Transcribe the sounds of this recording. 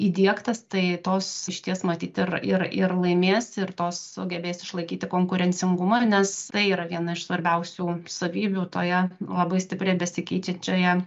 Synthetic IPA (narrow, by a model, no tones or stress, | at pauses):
iːd̪ʲiɛkt̪ɐst̪ɐɪt̪oːsɪʃʲt̪ʲiɛsmɐt̪ʲiːt̪ɪrɪrɪrlˠɐɪmʲeːsʲɪrt̪oːssʊɡʲɛbʲeːsɪʃlˠɐɪkʲiːt̪ʲɪkoːŋkʊɾʲɛnʲt͡sʲɪŋɡʊmɑnʲɛst̪ɐɪiːɾɐʋʲiɛnɐɪʃsʋɐɾʲbʲɛʊsʲuːsɐʋʲiːbʲuːt̪oːjɛlˠɐbɐɪsʲt̪ʲɪpʲrʲɛɪbʲɛsʲɪkʲɛɪt͡ʃʲɛt͡ʃʲoːjɛ